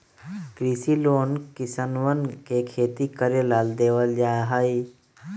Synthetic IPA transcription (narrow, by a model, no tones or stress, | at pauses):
kɾiːsiloːnkɪsənʋənkekʰeːt̪ikəɾjəlaːld̪eːʋəld͡ʒaːɦaːi